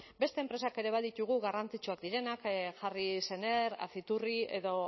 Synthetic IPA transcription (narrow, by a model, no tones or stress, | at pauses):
be̞st̪eːmpɾe̞sake̞ɾe̞β̞aðit̪uɣ̞uɣarant͡sit͡ʃuakd̪iɾe̞nakʝarise̞ne̞ɾa̰θit̪urie̞ðo̞